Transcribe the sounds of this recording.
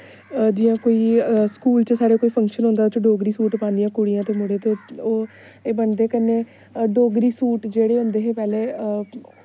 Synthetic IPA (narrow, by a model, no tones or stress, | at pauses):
d͡ʒɪːãːkoːiːskuːlt͡ʃəsaːɽeːkoːiːpʰəŋkʃənõːnd̪aːʊt͡ʃɖoːɡɾiːsuːʈpãːnd̪ijãːkʊɽijãːt̪eːmʊɽeːt̪eːoː | eːbənd̪eːkənːeː | ɖoːɡɾiːsuːʈd͡ʒeːɽeːɦʊ̃nd̪eːɦeːpɛːleː